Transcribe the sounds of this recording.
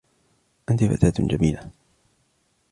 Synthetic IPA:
ʔant̪ifa̰t̪aːt̪d͡ʒamiːla

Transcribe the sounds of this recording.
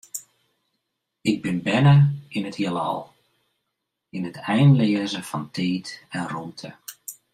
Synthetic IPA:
ɪɡ̚bɪnbɛnəinəthiəlˠɔ̰lˠ | inətʰɛjnlɪəzəfɑntʰeːtɛnruːtʰə̰

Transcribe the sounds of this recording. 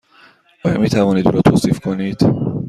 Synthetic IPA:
ʔɒːjɒ̰ːmiːt̪ʰævɒːniːd̪uːɾɒːt̪ʰoːsiːfkʰoniːd̪̥

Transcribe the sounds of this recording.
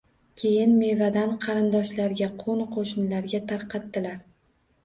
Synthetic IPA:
kʲʰe̞jɪnme̞vad̪anqʰɑɾɪnd̪ɒʃlaɾɡʲaqʰonqʰoʃɪnlaɾɡʲat̪ʰaɾqʰɑt̪ːɪlaɾ

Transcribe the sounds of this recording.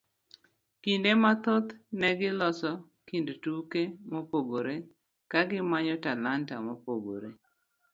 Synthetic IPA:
kindemat̪ot̪nɛɡɪlɔsɔ | kindtukemopoɡoɾe | kaɡɪmaɲɔtalantamopoɡo̰ɾe

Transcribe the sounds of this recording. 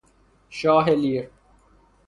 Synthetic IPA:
ʃaːɦeliːɾ

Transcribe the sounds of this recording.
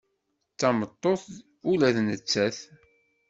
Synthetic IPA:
t͡sːɑmət̪ˤːoθ | ulæθnət͡sːæθ

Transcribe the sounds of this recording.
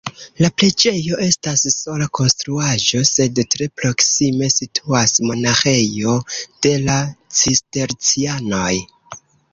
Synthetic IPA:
laple̞d͡ʒe̞jo̞ʔe̞stasso̞lako̞nstɾuaʒo̞se̞dtɾe̞pɾo̞ksime̞sitʰuasmonaxe̞jo̞d̥e̞lat͡siste̞ɾt͡siano̞j

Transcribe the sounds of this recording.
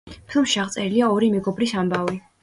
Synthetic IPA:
pʰilˠmʃiaʁt̪sʼɛɾiliaɔɾimɛɡɔbɾisambavi

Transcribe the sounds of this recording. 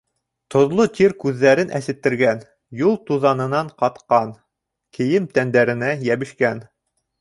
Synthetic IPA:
t̪ŏðlˠot̪iɾkʉðːæɾɘnʔæsɘ̆t̪ːɘ̆ɾɡæn | julˠt̪uðɑnɤ̆nɑɴqɑt̪qɑn | kɘ̆jɘmt̪ænd̪æɾɘ̆næjæβɘ̆ʃkæn

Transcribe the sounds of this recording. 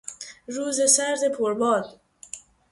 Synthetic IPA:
ɾuːzesæɾd̪epʰoɾbɒːl

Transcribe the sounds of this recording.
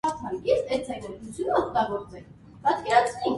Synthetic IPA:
ɑt̪ʰɑnkɛsɛɾt͡sʰɛkɛɾt̪ut͡sʰjunəɔk̚t̪ɑɡɔɾt͡sɛkʰ | pɑt̪kɛɾɑt͡sʰnɛ

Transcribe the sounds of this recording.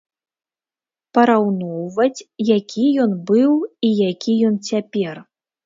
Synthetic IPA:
pɐɾawnɔwvɐt͡sʲjakʲijɔnbɨwijakʲijɔnt͡sʲapʲɛr

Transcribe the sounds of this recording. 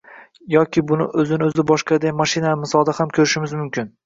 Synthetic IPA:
jɒkʲʰɪbʊnɪ̰ʔɵzɪnɪɵzɪbɒʃqɑd̪ajmaʃɪnamɪsɒlˠd̪ahamkʲʰɵɾɪʃɪmɪzmʊmkʲʰɪn

